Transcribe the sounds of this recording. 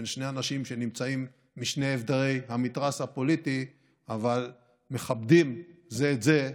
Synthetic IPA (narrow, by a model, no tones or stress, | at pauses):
nʃne̞anaʃimʃe̞nimt͡saimː | iʃne̞jevd̪aʁe̞jhamit̪ʁashapo̞lit̪i | aval | me̞χabd̪imzeːtze